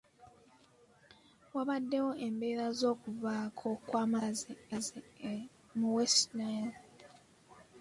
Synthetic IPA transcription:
waβadːe̞wo̞ʔe̞mbe̞ːɾazo̞ːkuvaːkʰo̞kwaːmaziazi | muwesnan

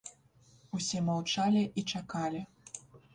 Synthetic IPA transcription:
usʲɛmawt͡ʂalʲiʔit͡ʂakalʲi

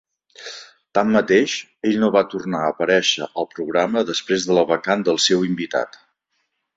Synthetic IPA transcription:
t̪amːət̪eʃeʎnoβat̪urnaəpəɾɛʃə̰ʔəlˠpɾuɣɾaməðəspɾezðələβəkand̪əlˠsewimbit̪a̰t̪

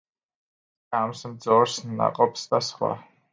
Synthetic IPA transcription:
kʼamsmd̪zɔɾsnːa̰qʼɔpsd̪asχwa̰

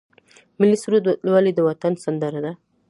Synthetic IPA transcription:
mɪlisuɾad̪lwalid̪əwat̪ansand̪əɾad̪a

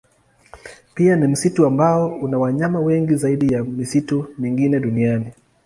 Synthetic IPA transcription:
pianim̩situambaɔunawaɲamawɛŋɡizaiɗijamisitumiŋɡinɛɗuniani

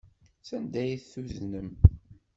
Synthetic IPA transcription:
sænd̪æjiθθuznəm

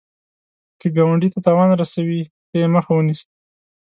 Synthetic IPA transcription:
kəɡawaɳɖit̪at̪ɑwɑnɾasawi | t̪ejeməxawənis

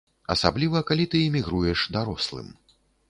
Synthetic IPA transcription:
ɐ̰sa̰blʲivɐkalʲit̪ɨːmʲiɣɾujɛʂd̪aɾɔslˠɨ̰m

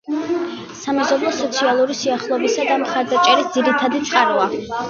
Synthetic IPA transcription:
samɛzɔblˠɔsɔt̪sʰialˠuɾisiaχlˠɔbisad̪amχaɾd̪at͡ʃʼɛɾisd̪ziɾit̪ʰad̪it̪sʼqʼaɾua

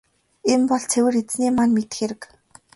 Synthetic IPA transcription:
empɔɮt͡sʰewɘ̆ret͡sniːmanmet̪ɘ̆xeɾɘ̆k

